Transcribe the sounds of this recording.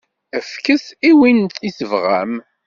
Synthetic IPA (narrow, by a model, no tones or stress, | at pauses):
əfkəsiwint̪isəvʁæ̰m